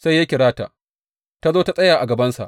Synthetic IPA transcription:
sa˦ja˦kʲɪ˨ɽaː˦ta̰˨ | ta˦zoː˦ta˦sʼɐ˦jaː˨ʔa˨ɡɐ˨bɐ˦nsa̰˨ʔ

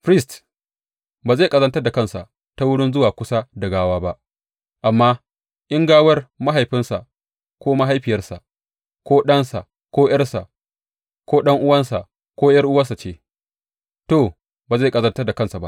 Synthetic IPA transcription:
ɸɾɪ˦st | baː˨ze˦˨kʼɐ˦zɐ˦ntɐ˦rda˨kɐ˦nsa̰˨ʔ | ta˦wʊ˦ɽɪ˦nzʊ˦waː˨kʷʊ˦sa˦dɐ˨ɡaː˦waː˦ba˦ʔ | ʔa˨mːaː˦ | ʔɪ˦ŋɡaː˦wɐ˦rma˦ɦa˨jɸɪ˦nsa˨ | kʷoː˦ma˦ɦa˦jɸɪ˨jɐ˦rsa̰˨ʔ | kʷoː˦ɗɐ˦nsa̰˨ | kʷoː˦j̰ɐ˦rsa̰˨ʔ | kʷoː˦ɗɐ˦ŋʔʊ˦wɐ˦nsa̰˨ | kʷoː˦jɐ˦rʔʊ˦wɐ˦sa˨t͡ʃeː˦ | toː˨ | baː˨ze˦˨kʼɐ˦zɐ˦ntɐ˦rda˨kɐ˦˨nsa˨ba̰˦ʔ

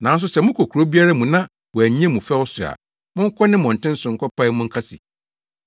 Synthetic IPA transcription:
nã˨˦n˦s̬ʊ˦sɛ˦mʊ̃˦kʰo˨kʰu˨ɾo˦bi˦a˦ɾa˦mũ˨nã˦ | wɔ˨æ˨˦ɛ̃˦mũ˨fɛ˦wɔ˦sʊ˨a̰˨ | mʊ̃˦ŋ̩˦kʰʷɔ˦nɪ̃˦mɔ̃˨n̩˨tʰɪ̃˦n̩˦sʊ̃˨ŋ̩˨kʰɔ˦pʰa˦mʊ̃˦ŋ̩˦kʰa˦sḭ˨

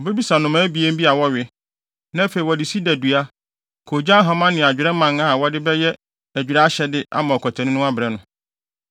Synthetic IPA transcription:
ɔ˨be˦bi˦sa˨nʊ̃˨mãː˦bi˨e˦m̩˦bi˦a˨wɔ˦ɥɪ˦ | nã˦fe˨i˨wɔ˨dɪ˨si˦dæ˨du˨a˦ | kʰo˨d͡ʑã˦ɦã˨mã˦nɪ̃˨a˨d͡ʑᶣɪ˨ɾɛ˦mã˨ŋa˦˨wɔ˦dɪ˦bɛ˦jɛ˦ | æ˨d͡ʑᶣɪ˨ɾɛ˦a˦ɕɛ˦dɪ˦ʔa̰˦mã˨ɔ˨kʰɔ˨tʰã˨nɪ̃˦nʊ̃˦a˦bɪ˨ɾɛ˦nʊ̃˨

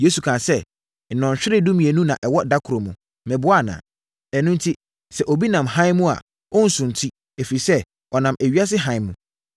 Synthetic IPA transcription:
je˦su˨kʰã˨sɛ˦ | n̩˨nɔ̃˨ɲ˨ɕᶣɪ˦ɾɪ˦dũ˦mĩ˨e˨nũ˦nã˨ʔɛ˨wɔ˦da˦kʰʊ˨ɾo˨mṵ̃˨ | mɛ̃˨bʊ˦a˦˨nã̰ː˨ | ɛ˨nũ˦n˦tʰi˦ | sɛ˨ʔo˨bi˦nã˨mhã˦ɪ̃˦mũ˦a̰˨ | ɔ˦n̩˨sʊ̃˨n˨tʰi˦ | e˨fi˨sɛ˦ | ɔ˨nã˨mæ˨ɥi˦a˦s̬ɪ˦ɦã˦ɪ̃˨mṵ̃˨

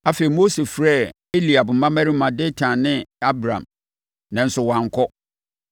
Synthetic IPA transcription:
a˦fe˨i˨mo˦se˨fɾɛ˦˨ | e˦li˨a˨bʊ˨m̩˦mã˦mæ˦ɾi˦mã˨de˦tʰã˨nɪ̃˦a˦bɾã̰˨m | nã˨n̩˦sʊ˨wã˨ŋ̩˦kʰɔ˦

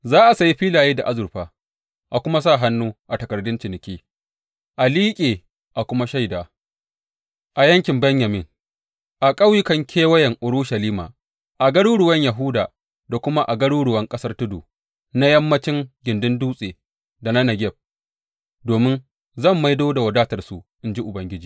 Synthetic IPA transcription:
zaː˦ʔa˨sa˨ji˦ɸiː˦laː˨jiː˦da˨ʔa˦zʊ˨ɾɸaː˨ | ʔa˨kʷʊ˦ma˦s̬a˦˨ɦa˦nːuː˦ʔa˨tɐ˨kɐ˨rdʊ˦nt͡ʃɪ˨nɪ˨kʲeː˦ | ʔa˨liː˦kʲʼeː˨ | ʔa˨kʷʊ˦ma˦ʃa˦˨jdaː˨ | ʔa˨jɐ˦ŋkʲɪ˨mbɐ˦ɲjɐ˨mɪ˦ŋ | ʔa˨kʼɐ˦wjɪ˦kɐ˨ŋkʲʰeː˦wɐ˦jɐ˨ŋʔʊ˨ɾʊ˦ʃɐ˨liː˦ma̰ː˨ | ʔa˨ɡɐ˦ɽuː˦ɽʊ˨wɐ˦ɲjɐ˨ɦʊ˦daː˨ | da˨kʷʊ˦ma˦ʔa˨ɡɐ˦ɽuː˦ɽʊ˨wɐ˦ŋkʼɐ˦sɐ˦rtʊ˦duː˨ | na˦jɐ˦mːɐ˦t͡ʃɪ˦ŋɡʲɪ˨ndɪ˦nduː˦sʼeː˨ | da˨na˦nɐ˨ɡʲɛ˦˨b̚ | doː˨mɪ˦n | zɐ˦˨mːa˦jdoː˦da˨wɐ˨daː˦tɐ˨rsu˨ʔɪ˦nd͡ʒi˦ʔʊ˨bɐ˦ŋɡʲɪ˦d͡ʒiː˨

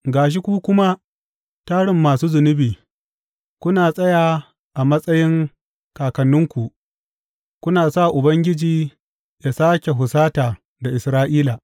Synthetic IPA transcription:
ɡaː˨ʃ̬i˦kʷuː˦kʷʊ˦ma˦ | taː˦ɽɪ˨mːaː˨suː˦zʊ˨nɪ˦biː˨ | kʷʊ˦naː˨sʼɐ˦jaː˨ | ʔa˨mɐ˦sʼɐ˦jɪ˦ŋ | kaː˨kɐ˨nːʊ˦ŋkʷu˨ʔ | kʷʊ˦naː˨sa˦˨ʔʊ˨bɐ˦ŋɡʲɪ˦d͡ʒiː˦ | ja˨saː˦kʲe˨ɦʊ˨saː˦taː˨ | da˨ʔɪ˨sɾaː˦ʔiː˦la˨

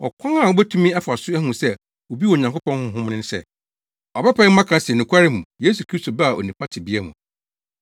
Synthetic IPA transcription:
ɔ̰˨kʷʰã˦ŋa˦˨o˨bæ˦tʰũ˦mĩ˦a˦fa˨sʊ˦æ˦hũ˨sɛ˦ | o˨bi˦wɔ˨ɲã˨ŋkʊ˦pɔ̃˦nhʊ̃˦ɦʊ̃˦mnɪ̃˦n˦sɛ̰˦˨ | ɔ˨bɛ˦pʰɛ̃˨˦mã˦kʰã˦si˨ɛ˨nʊ̃˨kʰʷa˦ɾɪ˦mũ˨je˦s̬u˨kʰɾi˦sto˨ba˦a˨o̰˨nĩ˨pʰa˦tʰɪ˨bi˦ɛ˦mʊ̰̃˨

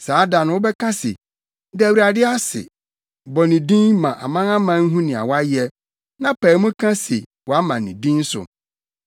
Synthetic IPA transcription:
saː˨˦da˨nʊ̃˨˦wʊ˦bɛ˦kʰã˦sḛ˨ | dɛ˦æ˨wi˨ɾa˨dɪ˦a˦sɪ̰˨ | bɔ˨nĩ˨dĩ˦nmã˨ʔa̰˨mã˦nã˦mã˦n̩˦ɦũ˦nɪ̃˨a̰˨wa˦jɛ˦ | nã˦pʰa˨˦mũ˦kʰã˦se˨wɔ˨a˦mã˨nĩ˨dĩ˦n˦sʊ̰˨

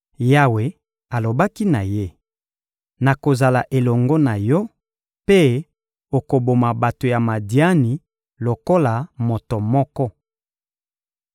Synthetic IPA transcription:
ja˦˨we˨ | a˨lo˨ba˦ki˦na˨je˦ | na˨ko˨za˨la˨ʔe˨lɔ˨ŋɡɔ˦na˨jɔ˦ | pe˦ | o˨ko˨bo˨ma˨ba˨to˨ja˨ma˨di˦a˦ni˨ | lo˨ko˦la˨mo˨to˨mɔ˦kɔ˦

